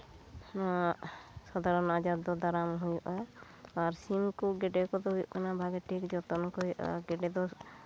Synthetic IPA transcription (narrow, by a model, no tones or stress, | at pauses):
na | sɔd̪ʱaɾɔnad͡ʒad̪ɔd̪aɾamɦujuʔa | aɾsimkɔɡɛɖɛkɔd̪ɔɦujuʔkanabʱaɡɛʈʰikd͡ʒɔt̪ɔnɔkɔjuʔa̰ɡɛɖɛd̪ɔ